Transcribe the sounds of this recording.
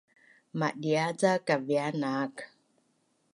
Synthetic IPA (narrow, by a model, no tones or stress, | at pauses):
maɗiad͡zakavianak